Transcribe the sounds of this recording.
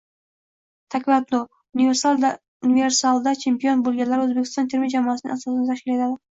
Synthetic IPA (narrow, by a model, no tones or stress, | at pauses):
t̪ʰakʲvat̪lo | unive̞ɾsalˠd̪a | unive̞ɾsalˠd̪at͡ʃʰe̞mpijonbolˠɡʲanlaɾɪɵzbekʲʰɪ̥st̪ɒnt̪ʰeɾmɪd͡ʒamɒasɪnɪ̰ŋʔasɒsɪnat̪ʰaʃkʲɪle̞t̪ʰad̪ɪ